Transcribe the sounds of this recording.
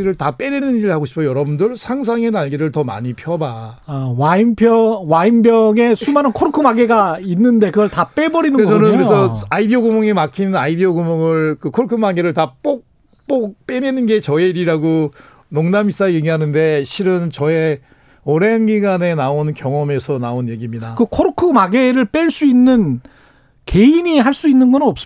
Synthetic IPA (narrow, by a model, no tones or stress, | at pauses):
iɾɯɭtap͈e̞ɾenɯniɾɯɭhaɡoɕʰi̥pʰʌjʌɾʌbundɯɭsʰaŋs̬ʰaŋe̞naɭɡiɾɯɭtʌma̰ɲipʰjʌbaawaimpʰjʌwaimbjʌɡe̞sʰumanɯnkʰoɾkʰɯmaɡeɡainːɯnde̞kɯɡʌɭtap͈e̞bʌɾinɯnkeɡt͡ɕʰʌnɯnkɾesʰʌaidioɡumoŋemakʰinnaidioɡumoŋɯɭkɯkʰoɾkʰɯmaŋɡeɾɯɭtap͈ok̚ | p͈ok̚p͈enenɯnɡe̞t͡ɕʌeiɾiɾaɡo | noŋnamis͈ajeɡiɦanɯnde̞ɕʰiɾɯnt͡ɕʌe̞ | ʌɾe̞nɡiɡane̞naonkjʌŋʌme̞sʰʌnaonje̞ɡimɲidakɯkʰoɾɯkʰɯmaɡe̞ɾɯɭp͈e̞ɭs͈uinːɯn | ke̞iniɦaɭs͈uinːɯnɡʌnɯnʌp̚s͈ɯ